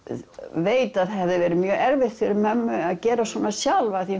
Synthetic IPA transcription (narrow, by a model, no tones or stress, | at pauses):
veːjt̪aðɛvðɪvɛːɾɪmjœːɛɾvɪht̪fɪɾɪmɛmːʏaðcɛːɾasɔːnasjalvaθi